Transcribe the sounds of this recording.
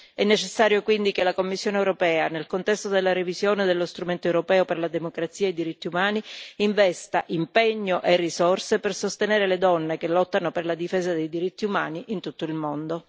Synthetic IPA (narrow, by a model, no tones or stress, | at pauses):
ɛnːet͡ʃesːaːɾjokwind̪ikelːakomːisːjoːnewɾopɛːanelkont̪ɛst̪od̪elːaɾevizjoːned̪elːost̪ɾument̪oewɾopɛːoperlad̪emokɾat̪sːiːaejd̪iɾit̪ːiumaːniiɱvɛst̪aʔimpeɲːoʔerːisorsepersost̪eneːɾeled̪ɔnːekelɔt̪ːanoperlad̪ifeːzad̪ejd̪iɾit̪ːiumaːniʔint̪ut̪ːoilmond̪o